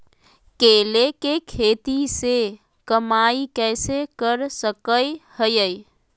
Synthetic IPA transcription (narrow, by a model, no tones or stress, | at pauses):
kelekekʰet̪ise | kəmaikɛsekəɾsəkəjhəjəj